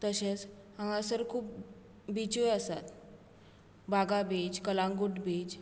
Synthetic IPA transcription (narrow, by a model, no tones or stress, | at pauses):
t̪əɕet͡s | ãŋãsəɾkʰuːp | bit͡ɕojəsa̰t̪ | baɡabed͡ʑkəlãŋɡuʈbed͡ʑ